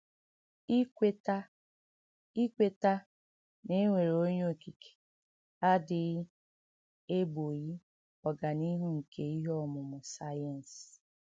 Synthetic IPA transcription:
i˦e˦ta˦ | i˦kʷe˦ta˦ | ne˦ŋʷe˨ɾo˦ɲo˦˨ki˨kʰe̥˨ | a˦dɪ˨˦ | e˦bo˨ɣi˦ | ɔ˨ɡa˨ni˦ɦu˦ŋ̩˨kʰe˦i˦ɦɔ˦mʊ˨mʊ˨sa˦ja˨n̩˨s

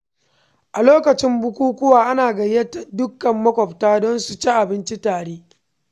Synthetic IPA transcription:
ʔa˨loː˦kɐ˨t͡ʃɪ˦mbʊ˦kʷuː˦kʷʊ˦waː˨ʔa˦naː˨ɡɐ˨jɐ˦ta˨dʊ˦kːɐ˨mːɐ˦kʷɔ˨ptaː˦dɔ˦nsu˨t͡ʃe˦ʔa˨bɪ˦nt͡ʃi˦taː˨ɽeː˦

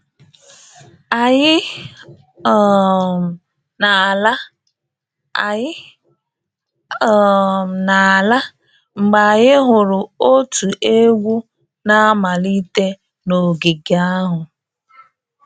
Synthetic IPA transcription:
a˨ɲɪ˦˨ | na˨la˦˨ | ɪ˦˨ | m˨na˨a˨la˦ | ŋ͡m̩˨ɡ͡ba˨ɣɪ˦ɦʊ˨ɾʊ˨o˦tʰu˨ʔe˦ɡʷu˦ | na˦a˦ma˨li˦te˦ | no˨ɡi˨ɡa˦ɦʊ˨

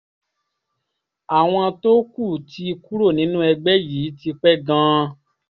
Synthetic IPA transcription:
a˨w̃ɔ̃˧to˦ku˦˨ti˦˧ku˦ɾo˦˨nĩ˨˦nũ˦ɛ˧ɡ͡bɛ˦ji˨˦ti˧k͡pɛ˦ɡã˦˧˦

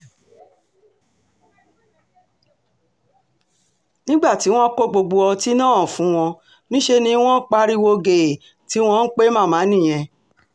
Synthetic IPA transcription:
nĩ˦ɡ͡ba˦˨ti˨˦w̃ɔ̃˦ko˦ɡ͡bo˧ɡ͡bo˧ɔ˧ti˦nã˦˨fũ˨˦w̃ɔ̃˧ | nĩ˦ʃe˧nĩ˧˦w̃ɔ̃˦k͡pa˧ɾi˦wo˧ɡe˨ | ti˨˦w̃ɔ̃˧˦n̩˦k͡pe˦mã˦˨mãː˨˦nĩ˦˨j̃ɛ̃˧

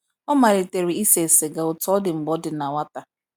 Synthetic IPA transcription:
ɔ˦ma˨ɾɪ˨te˨ɾi˨i˦se˨sɪ˨ɡa˨ʊ˨tɔ˦dɪ˨ŋ͡m̩˨ɡ͡bɔ˦dɪ˨na˨wa˦ta˨

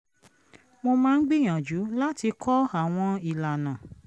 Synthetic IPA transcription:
mo˧mãː˦n̩˦ɡ͡bi˦˨j̃ã˨d͡ʒu˨˦la˦ti˧kʰɔ˦a˨w̃ɔ̃˧i˨la˨nã˨

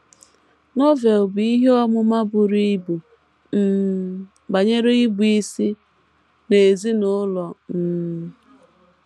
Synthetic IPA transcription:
nɔ˦ve˨lbi˦ɦe˦ɔ˦mʊ˦ma˦bʊ˨ɾi˦bu˨ | n̩˦ | ba˨ɲe˦ɾe˦i˦bu˨˦i˦si˦ | ne˨zi˦nʊ˦lɔ˨n̩˨˦

